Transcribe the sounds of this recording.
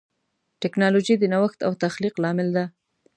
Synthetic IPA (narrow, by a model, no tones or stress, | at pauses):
ʈɪknɑlod͡ʒid̪ənawaxt̪awt̪axliqlɑmɪld̪a